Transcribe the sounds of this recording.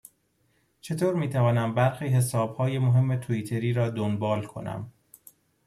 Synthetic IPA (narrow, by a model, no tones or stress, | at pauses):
t͡ʃʰe̞t̪ʰoːɾmiːt̪ʰævɒːnæmbæɾxiːɦe̞sɒːb̥hɒːje̞moɦe̞mːe̞t̪ʰoiːt̪ʰe̞ɾiːɾɒːd̪onbɒːlkʰo̞̰næ̰m